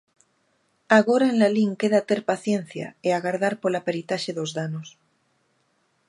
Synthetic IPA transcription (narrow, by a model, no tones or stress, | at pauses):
aɣoɾaenlaliŋkeðat̪e̞ɾpaθje̞n̟θja̰eaɣaɾð̞aɾpolapeɾit̪aʃeðo̞zðanos